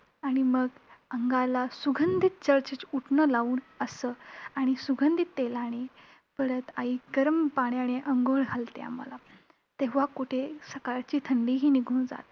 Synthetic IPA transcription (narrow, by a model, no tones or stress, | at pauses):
aɽ̃iməɡəŋɡalasuɡʱənd̪ʱit̪̚t͡ɕəɾt͡ɕit͡suʈʰnəlaʋuːnəsəaɽ̃isuɡʱənd̪ʱit̪ːelañe | pəɾət̪aikəɾəmpaɳjaneʔəŋɡoɭɡʱalt̪ea̰mːə̰la | t̪eʋ̤akuʈʰesəkaɾt͡ɕiːt̪ʰəɳɖiɦiːniɡʱuːnd͡za̰t̪